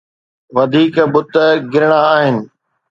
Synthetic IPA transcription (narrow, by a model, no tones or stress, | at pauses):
ʋɐd̪ʱiːkbʊt̪ə̆ɡɪɾɪɽ̃aaːɦɪnɪ̆